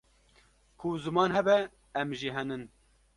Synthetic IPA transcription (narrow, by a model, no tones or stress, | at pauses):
kʰʊzɨmɑːnɦɛbɛ | ɛmʒiːɦɛnɨn